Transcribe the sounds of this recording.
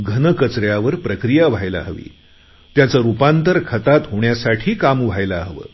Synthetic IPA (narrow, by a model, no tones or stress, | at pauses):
ɡʱənəkət͡sɾjaʋəɾpɾəkɾijaʋ̤ʱajla̰ɦʋḭː | t̪jat͡səɾupant̪əɾkʰət̪at̪ɦoɳjasaʈʰiːkamʋ̤ʱajlaɦʋə̰ː